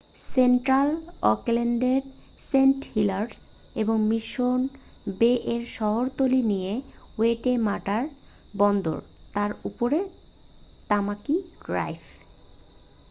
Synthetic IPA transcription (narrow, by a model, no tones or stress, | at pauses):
seɳʈɾalɔ̰kleɳɖeɾ | senʈhilaɾɖs | eboŋmiʃon | beʔeɾʃɔɦoɾt̪olinijeweʈemaʈaɾ | bɔnd̪o̰ɾ | t̪aɾupoɾe | t̪amakiɡ̥ɾa̰jfʰ